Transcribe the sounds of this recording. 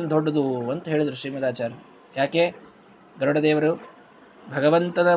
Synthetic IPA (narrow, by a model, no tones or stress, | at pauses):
nd̪ʱoɖːɐd̪uɐnt̪ɐɦe̞ːɭid̪ɐɾuʃɾiːmɐd̪aːt͡ʃaːɾɐ | jaːkeː | ɡɐɾɐɽɐd̪eːʋɐɾu | bʱɐɡɐʋɐnt̪ɐnɐ